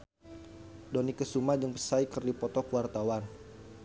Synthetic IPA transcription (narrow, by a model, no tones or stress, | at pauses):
dɔnikəsumad͡ʒəŋpəsajkərdipɔt̪ɔkəwart̪awan